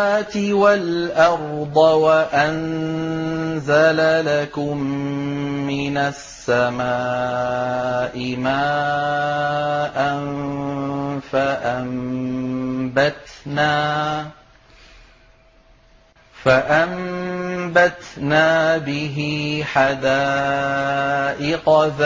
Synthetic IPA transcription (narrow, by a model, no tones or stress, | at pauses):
aːt̪ɪwalʔɑɾˤd̪ˤɑwaʔan | zalalakʊmː | ɪnasːamaː | ʔɪmaː | ʔan | faʔam | bat̪naː | faʔam | bat̪naːbɪɦɪħad̪aː | ʔɪqɑð